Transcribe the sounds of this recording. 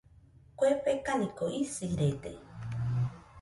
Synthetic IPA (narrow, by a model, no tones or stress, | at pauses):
kʷepekanĩkoʔisiɾet̪ḛ